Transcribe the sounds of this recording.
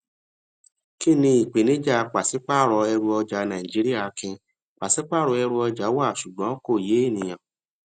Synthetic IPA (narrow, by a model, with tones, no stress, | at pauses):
ki˦˨nĩ˧i˨k͡pe˨nĩ˨˦d͡ʒa˦˨k͡pa˨si˨˦k͡pa˦˨ɾɔ˧ɛ˧ɾu˧ɔ˧d͡ʒa˨˦nã˨ĩ˨d͡ʒi˨˦ɾi˦a˦˨˧kĩ˧ | k͡pa˨si˨˦k͡pa˦˨ɾɔ˧ɛ˧ɾu˧ɔ˧d͡ʒa˨˦wa˦˨ʃu˨ɡ͡bɔ̃˨˦ko˦˨je˨˦e˦˨nĩ˨j̃ã˨